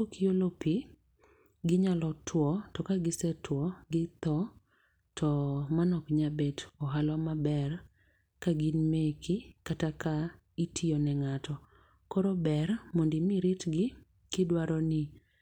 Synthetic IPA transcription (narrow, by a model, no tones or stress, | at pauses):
okiolopi | ɡɪɲalɔtʰwɔtɔkaɡɪsɛtwɔɡɪt̪ɔ | tɔmanɔkɲabɛtɔɦalɔmabɛr | kaɡinmekʰikataka | itʰiɔnɛŋatʰɔ | koɾobɛrmondimiɾɪtɡɪ | kɪdwaɾɔnɪ